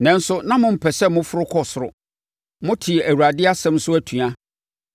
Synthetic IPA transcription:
nɛ̃˨˦n̩˦sʊ˦nã˦mʊ̃˦m̩˨pʰɛ˨sɛ˦mʊ̃˦fʊ˦ɾʊ˦kʰɔ˦sʊ˨ɾʊ̰˨ | mʊ̃˦tʰɪ˨æ˨wu˨a˨dɪ˦a˦sɛ̃˦m˦sʊ˦æ˦tʰũ˨a˦

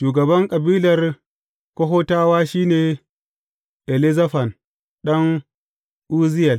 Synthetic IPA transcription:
ʃuː˨ɡɐ˨bɐ˦ŋkʼɐ˨biː˦lɐ˨ɾ | ko˦ɦo˦taː˦waː˦ʃiː˦neː˨ | ʔe˨li˦za˦ɸa˨n | ɗa˦ŋ | ʔu˦zi˦ja˨l

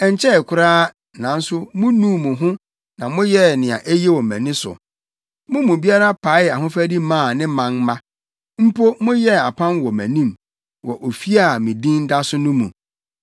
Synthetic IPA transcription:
ɛ˨ɲ˨t͡ɕʰɛ˦˨kʰʊ˦ɾaː˦ | nã˨n̩˦sʊ˦mʊ̃˦nũ˦mũ˨ɦʊ̃˦ | nã˨mʊ̃˦jɛ˦˨nɪ̃˨ã̰˨ʔe˦jɛ˦wɔ˨mæ̰̃˨nĩ˦sʊ̰˨ | mʊ̃˦mũ˨bi˦a˦ɾa˦pʰa˨˦˨a˨ɦʊ̃˦fæ˦di˦mãː˦˨nɪ̃˦mã˨ŋmã˦ | m̩˦pʰo˦mʊ̃˦jɛ˦a˨pʰã˦nwɔ˨mæ̰̃˨nĩ˦m | wɔ˨ʔo˨fi˦a˦˨mĩ˨dĩ˦n˦da˦sʊ˦nʊ̃˦mṵ̃˨

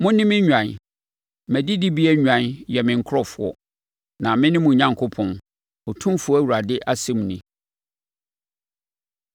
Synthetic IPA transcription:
mʊ̃˦nɪ̃˦mɪ̃˦ɲᶣã˨n | mæ̃˨di˦dɪ˦bi˦ɛ˦ɲᶣ˨ã˨njɛ˨mɪ̃˨ŋ̩˨kʰɾɔ˨fʊ˨˦ɔ̰˦ | nã˨mɪ̃˦nɪ̃˦mʊ̃˨ɲã˦ŋkʰʊ˦pʰɔ̃˨n | ɔ˨tʰũ˦fʊ˦ɔ˦æ˦˨wu˨ɾa˨dɪ˦ʔa˦sɪ̃˦m˨nɪ̃˨

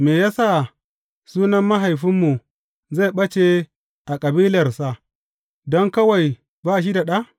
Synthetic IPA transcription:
meː˨ja˦sa˦˨ | suː˦nɐ˦mːa˦ɦa˨jɸɪ˦mːu˨ | za˦˨ɓɐ˦t͡ʃe˦˨ | ʔa˨kʼɐ˨biː˦lɐ˨rsa˨ʔ | dɔ˦ŋkɐ˦wa˨j | baː˦˨ʃ̬i˦da˨ɗa˦ʔ

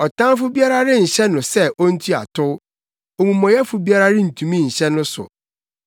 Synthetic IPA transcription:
ɔ˨tʰã˦nfʊ˦bi˦a˦ɾa˦ɾɪ˦n̩˨ɕɛ˦nʊ̃˨sɛ˦ʔo˦n̩˦tʰu˦a̰˨tʰʊ˦ | o˨mũ˨mːɔ̃˨jɛ˦fʊ˨bi˦a˦ɾa˦ɾɪ˦n̩˨tʰũ˨mĩ˦˨ɲ̩˨ɕɛ˦nʊ̃˦sʊ̰˨

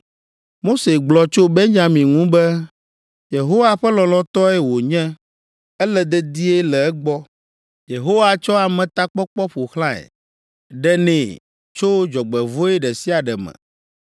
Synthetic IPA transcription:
mo˦se˨ɡ͡blɔ˨t͡ʃo˦be˦ɲ˦a˨mĩ˨ŋũ˦bɛ˦ | je˨ɦo˦wa˨ɸɛ˦lɔ̃˨lɔ̃˦t̪ɔ˦ɛ˦wo˨ɲɛ̃˦ | ɛ˦lɛ˨d̪ɛ˦d̪i˦e˦lɛ˨ɛ˦ɡ͡bɔ˦ | je˨ɦo˦wa˨t͡ʃɔ˦a˨mɛ̃˨t̪a˦k͡pɔ˦k͡pɔ˦ɸo˨xlã˦ɛ̰˨ | ɖɛ˦nẽ˨ | t͡ʃo˦d͡ʒɔ˨ɡ͡bɛ˨vo˦ɛ˦ɖɛ˨si˦a˨ɖɛ˨mɛ̰̃˨

